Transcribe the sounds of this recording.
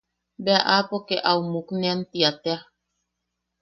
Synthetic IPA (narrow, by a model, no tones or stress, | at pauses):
beaʔapokeʔaumuknẽant̪iat̪ea